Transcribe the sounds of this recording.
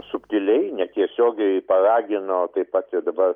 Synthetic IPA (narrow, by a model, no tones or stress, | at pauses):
sʊpʲt̪ʲɪlʲɛɪnʲɛt̪ʲiɛsʲoːɡʲɛɪpɐrɑːɡʲɪnoːt̪ɐɪpɑt̪ʲɪd̪ɐbɐr